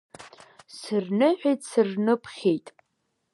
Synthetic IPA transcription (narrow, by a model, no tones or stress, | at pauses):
sɨrnɨħʷᶣejtʼsɨrnɨpʰχʲejtʼ